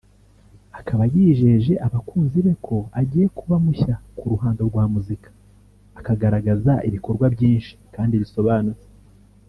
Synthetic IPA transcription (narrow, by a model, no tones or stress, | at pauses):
akʰaβajiːʒe̞ʒe̞ʔaβakuːnziβe̞kʰo̞aɟiːje̞kuβamuçakuɾuɦaːndo̞ɾɡwaːmuzikḁː | kaɡaɾaɡazaʔiβiko̞ɾɡwabɟiːnʃi̥kaːndiβiso̞βaːnut͡se̥